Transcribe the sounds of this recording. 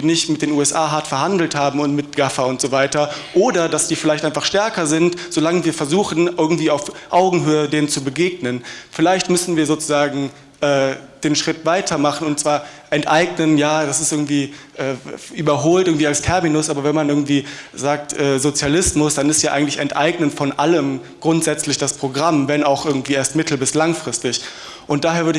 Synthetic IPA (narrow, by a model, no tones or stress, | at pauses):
nɪçtmɪtd̥eːnuːɛsʔaːɦaɐtfɛɐɦandl̩thaːbm̩ʊntmɪt̚ɡ̥afɐʊntz̥oːvaɪtɐʔoːdɐdasd̥iːfɪlaɪçtʔaɪnfaχʃtɛɐkɐzɪntz̥olaŋəviːɐfɛɐzuːxn̩ʔɪɐɡŋ̩tv̥iːaʊfʔaʊɡŋ̩ɦøːədeːmt͡subəɡeːɡnənfɪlaɪçtmʏsn̩viːɐzoːt͡su̥zaːɡŋ̩ | ʔɛːd̥eːnʃʁ̥ɪtv̥aɪtʰɐmaχn̩ʊntt͡sv̥aːɐʔɛntʔaɪɡnənjaːdasɪstʔɪɐɡŋ̩tv̥iː | ʔɛːʔyːbɐɦoːltɪɐɡŋ̩tv̥iːalstʰɛɐminʊsʔaːbɐvɛnmanʔɪɐɡŋ̩tv̥iːzaːk̚tʔɛːzot͡sjalɪsmʊsd̥anɪstjaːʔa̰ɪɡŋ̩tlɪçɛntʔa̰ɪɡnəntfɔnʔaləm | ɡ̥ʁʊntz̥ɛt͡slɪçd̥aspʁ̥oɡʁamvɛnaʊxʔɪɐɡŋ̩tv̥iːeːɐstmɪtʰl̩bɪslaŋfʁ̥ɪstɪç | ʔʊntd̥aːɦeːɐvʏɐdɪ